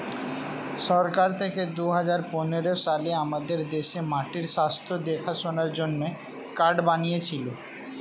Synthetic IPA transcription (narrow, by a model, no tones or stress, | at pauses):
ʃɔɾkaɾt̪ʰeked̪uɦad͡ʑaɾponeɾoʃaleamad̪eɾd̪eʃemaʈiɾʃast̪ʰod̪ekʰaʃonaɾd͡ʑonːe | kaɾɖbanijet͡ɕʰilo